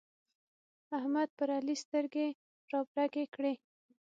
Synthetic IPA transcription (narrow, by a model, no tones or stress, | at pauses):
ahmad̪̚pəɾalist̪əɾɡe | ɾɑbɾakekɽe